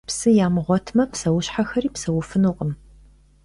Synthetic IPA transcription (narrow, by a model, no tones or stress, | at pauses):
psɨjaːmɨʁʷɔtʰmɐpsɐwʊɕħaxɐɾiːpsɐwʊfɨnuqʼəm